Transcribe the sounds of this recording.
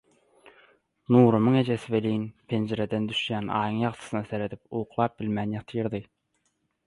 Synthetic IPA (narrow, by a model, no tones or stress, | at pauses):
nuːɾumɨŋed͡ʒesɪvelijnpʰend͡ʒeɾɛd̪ɛnd̪yʃjænɑ̰ːjɨŋjɑʁt̪ʰɨ̥snɑseɾet̪ʰɪp̚uːqʰlˠɑp̚b̥ɪlmɛnjɑqt̪ʰijɨɾd̪ɨ